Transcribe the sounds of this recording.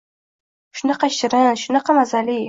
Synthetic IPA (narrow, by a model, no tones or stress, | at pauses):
ʃʊnɑqɑʃɪɾɪnʃʊnɑqɑmazali